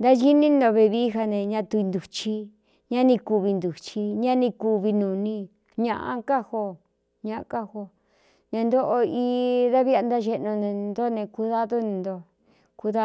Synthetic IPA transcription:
nd̪a˦ʒi˦nĩ˦˧nd̪o˧βe˧βiː˦ɦa˧nẽ˧ɲã˧t̪u˧i˧nd̪u˨t͡ʃi˧ | ɲã˦nĩ˧ku˧βi˧nd̪u˨t͡ʃi˧ɲã˦nĩ˧ku˧βi˧nũ˨˧nĩ˧ | ɲã˧˨ʔã̰˧ka˦ho˧ | ɲã˧ʔa˧ka˦ho˧ | ɲã˧nd̪o˦ʔo˧i˧˦ða˦βi˦a˧nd̪a˦ʒe˧nõ˧ñ˧nd̪o˦nẽ˧ku˧ða˦ðo˦nĩ˧nd̪o˧ | ku˧ða˦

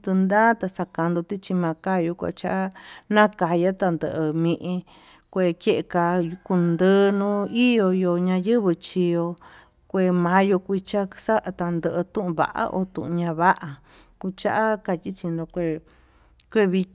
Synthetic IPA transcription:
t̪ɨ˧nd̪ã˦t̪a˧sa˧ka˧nd̪o˧t̪i˦t͡ʃi˧mã˧ka˦ju˧kʷa̰˧t͡ʃa˦ʔa˦nã˦ka˧ja˦t̪a˧nd̪ə˧ʔɨ˧mĩ˧ʔĩ˧ | kʷe˧ke˦ʔe˧ka˧ku˧nd̪əː˦nũ˦i˦jo˧jo˧ɲã˧jɨ˦βɨ˧t͡ʃi˧jo˧ | kʷe˧˨mã˧˦jo˧kʷi˧t͡ʃa˦sa˦ʔa˧t̪a˧nd̪ə˧ʔɨ˧t̪ũ˦ʔũ˧βa̰˨ʔa̰˦ʔo̰˧t̪ṵ̃˧ʔũ˧ɲã˧βa˦ʔa˧ | ku˧t͡ʃa˦ʔa˦ka˧t̪ʲi˦t͡ʃi˧nd̪o˧kʷe˧˨ | kʷe˦˧βi˧

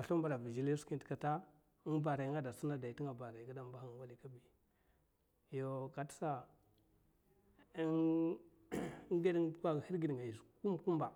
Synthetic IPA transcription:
a˨ɬu˦mba˨ɾa˨vi˨d͡ʒi˨li˦ski˦n˨ta˨ta˦ | ba˨ɾa˨jɡa˦da˨su˦na˦da˨i˨tŋa˨ba˨ɾa˨ɡa˦da˦mba˦xa˦wa˦li˦ka˦bi˨ | jo˨ka˨tsa˦ | ɡe˦di˦ŋ˦a˦ɡhi˦ɡi˨di˨ŋa˨i˨sku˦m˨ku˦mba˨

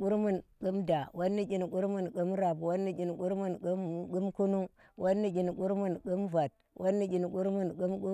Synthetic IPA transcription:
ku˦ɾmu˦˨nku˦mda˨wʔo˦nːi˦kʲi˨n˨ku˦ɾmu˦nku˦mɾa˨pwo˦nːi˦kʲi˨nku˦ɾmu˦nɡu˦mɡu˦mku˦nu˦ | wʔo˦nːi˦kʲi˨nku˦ɾmu˦nku˦mva˨t̚ | wʔo˦nːi˦kʲi˨nku˦ɾmu˦˨nku˦mku˦

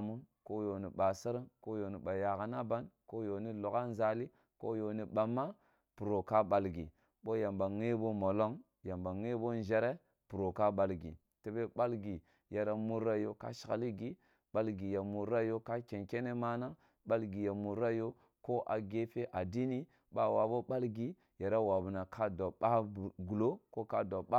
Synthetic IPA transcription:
mu˦nko˦jo˨ni˨ɓa˨si˦ɾi˦nko˦jo˨ni˨ɓa˨ja˨ka˨na˦ba˦nko˦jo˨ni˦lo˨ka˦nza˦li˦ | ko˦jo˨ni˨ɓa˨mːa˦ | pu˨ɾo˨ka˦ɓa˨lɡḭ˨ | ɓo˦ja˨mba˨ŋe˦bo˦mo˨lo˦ŋ | ja˨mba˨ŋe˦bo˦n˦ʒe˦ɾe˦ | pu˨ɾo˨ka˦ɓa˨lɡḭ˨ | te˦be˦ba˦lɡi˨ | ja˨ɾa˦mu˦ɾa˦jo˦ka̰˦ʃi̥˨ka̰˨li˦ɡi˦ | ɓa˦lɡi˨ja˨mu˨ɾa˦jo˦ka˦ke˨nke˦ne˦ma˦na˦ŋ | ɓa˦lɡi˨ja˨mu˨ɾa˦jo˦ | ko˦ʔa̰˨ɡe˦fe˦ʔa˨di˦ni˦ | ba˦wa̰˨bo˦ɓa˦lɡi˨ | ja˨ɾa˦wa˨bu˨na˨kʰa˦do˨ɓa˦˨ɡu˨lo˦ko˦ka˦do˨ɓa˦

